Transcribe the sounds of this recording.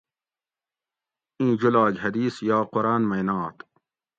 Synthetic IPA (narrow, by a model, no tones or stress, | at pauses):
ĩːd͡ʑulɑːɡɦɐd̪iːsjɑːqoɾaːnmɐjnɑːt̪